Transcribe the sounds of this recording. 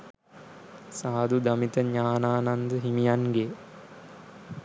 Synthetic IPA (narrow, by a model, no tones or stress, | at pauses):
saːd̪ud̪amit̪əɲaːnaːnand̪əɦimijanɡe